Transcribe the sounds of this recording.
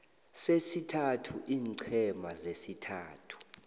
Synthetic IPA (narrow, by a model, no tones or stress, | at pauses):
sesitʰatʰuʔiːŋǀʰɛmazesitʰaːtʰu̥